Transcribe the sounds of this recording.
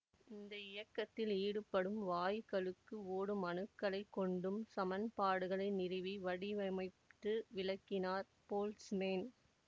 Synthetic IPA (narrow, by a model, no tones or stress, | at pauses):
ɪnd̪ɐɪjɐkːɐt̪ːɪliːɽɯpːɐɽɯmʋaːjɪkɐɭɯkːɯoːɽɯmɐnɯkːɐɭɐɪkːɔɳɖɯmsɐmɐnpaːɽɯɣɐɭɐɪnɪrɪʋiʋɐɽɪʋɐmɐɪ | t̪ːɯʋɪlɐkːɪnaːɾ | poːlsmeːn